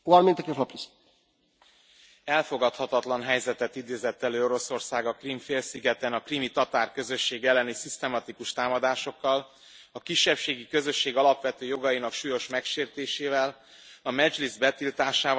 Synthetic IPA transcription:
uɔɾmint̪ɛkeflopis | ɛlfo̞ɡɒt̪hɒt̪ɒt̪lɒnɦɛjzɛt̪ɛt̪id̪eːzɛt̪ːɛløːoɾo̞so̞rsaːɡɒkrimfeːlsiɡɛt̪ɛnɒkrimit̪ɒt̪aːrkø̞zø̞ʃːeːɡɛlːɛnisist̪ɛmɒt̪ikuʃt̪aːmɒd̪aːʃo̞kːɒl | ɒkiʃːɛpʃeːɡikø̞zø̞ʃːeːɡɒlɒpʋɛt̪øːjo̞ɡɒjinɒkʃuːjo̞ʃmɛkʃeːrt̪eːʃeːvɛl | ɒmɛd͡ʒlizbɛt̪ilt̪aːʃaː

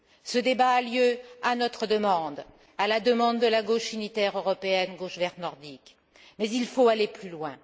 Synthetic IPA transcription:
səd̪ebaːljøanɔt̪χəd̪əmɑ̃d̪ | alad̪əmɑ̃d̪ːəlaɡoʃynit̪ɛʁøʁɔpeɛnɡoʃvɛʁnɔʁd̪ik | mɛzilfoaleplylwɛ̃

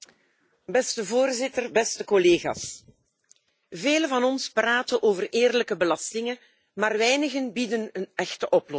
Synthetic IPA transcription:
bɛstəvoːrzɪtərbɛstəkɔleːɣa̰ːs | veːləvɑnɔnspraːtənʔoːvəreːrləkəbəlɑstɪŋən | maːrʋɛjnəɣənbidənənɛxtəʔɔplɔ

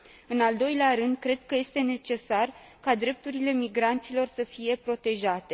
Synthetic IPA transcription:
ɨnald̪o̞jleaɾɨnd̪kɾe̞d̪̚kəje̞st̪e̞ne̞t͡ʃe̞sar | kad̪ɾe̞p̚t̪uɾile̞miɡɾant̪silo̞rsəfije̞pɾo̞t̪e̞ʒat̪e̞

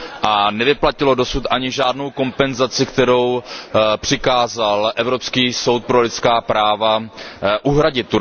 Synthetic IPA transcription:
ʔanɛvɪplacɪlo̞do̞sut̪ʔaɲɪʒaːdno̞wko̞mpɛnzat͡sɪkt̪ɛɾo̞wpr̝̥ɪkaːzalʔɛvɾo̞pskiːso̞wt̪̚pɾo̞lɪt̪skaːpɾaːvaʔuɦɾaɟɪt̪̚ːu

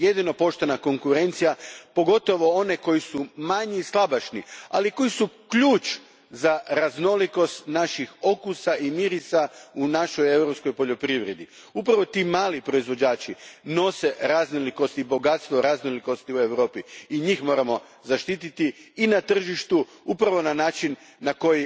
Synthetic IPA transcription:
je̞d̪ino̞po̞ʃt̪e̞nako̞ŋkuɾe̞nt̪sijapo̞ɡo̞t̪o̞ʋo̞o̞ne̞ko̞jisumaɲiislˠabaʃnia̰liko̞isukʎuːt͡ʃ | zaɾazno̞liko̞st̪naʃixo̞kusaʔimiɾisaunaʃoje̞wɾopsko̞jpo̞ʎo̞pɾiʋɾe̞d̪i | upɾaʋo̞t̪imaːlipɾo̞izʋo̞d͡ʑaːt͡ʃino̞se̞ɾaznoliko̞st̪ibo̞ɡat̪st̪ʋo̞ɾaznoliko̞st̪iue̞ʋɾo̞ːpiːɲixmo̞ːɾamo̞ | zaʃt̪iːt̪it̪iːnat̪r̩ʒiʃt̪u | upɾaʋo̞nanaːt͡ʃinː | ako̞ji

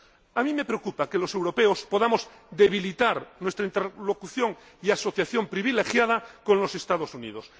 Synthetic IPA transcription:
amĩme̞pɾeokupakelose̞wɾo̞peospoðamoz | d̪eβ̞ilit̪aɾnwest̪ɾaint̪elo̞kuθjoŋ | iaso̞θjaθjo̞mpɾiβ̞ilexjað̞ako̞nlo̞se̞st̪aðosunḭð̞os

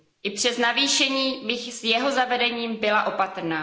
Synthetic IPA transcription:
ʔɪpr̝̥ɛznaviːʃɛɲiːbɪxsjɛɦo̞zavɛdɛɲiːmbɪlaʔo̞pat̪ɾ̩naː

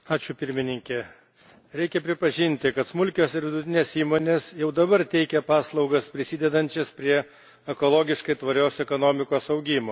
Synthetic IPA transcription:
ɑːt͡ʃʲʊpʲɪɾʲmʲɪnʲɪŋʲkʲɛ | ɾʲɛɪkʲɛpʲɾʲɪpɐʒʲɪnʲt̪ʲɪkɐt̪smʊlʲkʲoːsɪɾʋʲɪd̪ʊt̪ʲɪnʲeːsiːmoːnʲeːsjɛʊd̪ɐbɐɾt̪ʲɛɪkʲɛpɑːslˠɒʊɡɐspʲɾʲɪsʲɪːd̪ʲɛd̪ɐnʲt͡ʃʲɛspʲɾʲiɛ | ɛkoːlˠoːɡʲɪʃkɐɪt̪ʋɐɾʲoːsɛkoːnoːmʲɪkoːsɐʊɡʲɪmoː

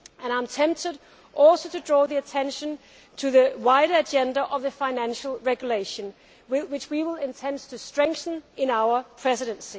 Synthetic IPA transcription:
ɨ̃ɾãɪ̃mtʰɛ̃mp̚tɪɾ | ʔɔlˠsoʊtʰɨdɹɔːðiɨtʰɛ̃nʃə̃n | tʰɨðɨwaɪɾə˞ɨd͡ʒɛ̃ndəʔʌvðɨfaɪnæ̃nʃəl̩ˠɹɛɡjuleɪʃɨ̃n | wɪwɨt͡ʃwiwɪlˠɪ̃ntʰɛ̃nd̥tʰɨstɹ̥ɛ̃ŋk̚θə̃nɪ̃naʊə˞pʰɹ̥ɛsɨɾɨ̃nsi

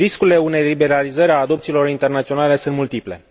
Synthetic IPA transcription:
iskulile̞une̞jlibe̞ɾalizəɾʲaːd̪o̞p̚t̪iːlo̞ɾint̪e̞rnat̪sio̞nale̞sunt̪mult̪iple̞̰

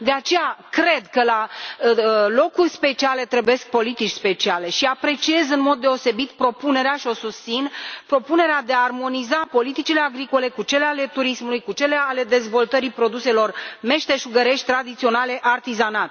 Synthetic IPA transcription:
d̪e̞at͡ʃe̞jakɾe̞d̪kəla | lo̞kurʲspe̞t͡ʃiale̞t̪ɾebuje̞sk̚po̞lit̪it͡ʃʲspe̞t͡ʃiale̞ʃiapɾe̞t͡ʃie̞zɨnmo̞d̪ːe̞o̞se̞bit̪pɾo̞pune̞ɾeaʃio̞sust̪sinpɾo̞pune̞ɾead̪e̞aːrmo̞nizapo̞lit̪it͡ʃile̞aɡɾiko̞le̞kut͡ʃe̞leale̞t̪uɾismulujkut͡ʃe̞leale̞d̪e̞zvo̞lt̪əɾipɾo̞d̪use̞lo̞rme̞ʃt̪eʒuɡəɾe̞ʃt̪̚ʲt̪ɾad̪it̪sio̞nale̞ʔart̪izanat̪

